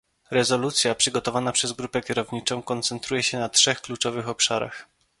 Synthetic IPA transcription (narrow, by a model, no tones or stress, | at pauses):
ɾɛzɔlut̪sʲjapʂɘɡɔt̪ɔvanapʂɛzɡɾupɛkʲɛɾɔvɲit͡ʂɔ̃w̃kɔnt̪sɛnt̪ɾujɛɕɛnatʂɛxklut͡ʂɔvɘxɔpʂaɾa̰x